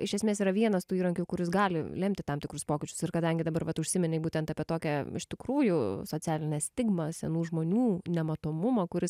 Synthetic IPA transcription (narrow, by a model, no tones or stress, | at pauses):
ɪʃʲɛsʲmʲeːsiːɾɐʋʲiɛnɐst̪uːiːɾɐŋʲkʲukʊɾʲɪs̬ɡɑːlʲɪ̰lʲɛmʲt̪ʲɪt̪ɐmt̪ʲɪkɾʊspoːkʲɪt͡ʃʲʊ̥sɪrkɐd̪ɐŋʲɡʲɪd̪ɐbɐɾʋɐt̪ʊʃʲsʲɪmʲɪnʲɛɪbuːt̪ʲɛnt̪ɑːpʲiɛt̪oːkʲɛɪ̰ʃʲt̪ʲɪkɾuːjʊsoːt͡sʲæːlʲɪnʲɛːsʲt̪ʲɪɡmɐsʲɛnuːʒmoːnʲuːnʲɛmɐt̪oːmʊmɐkʊɾʲɪs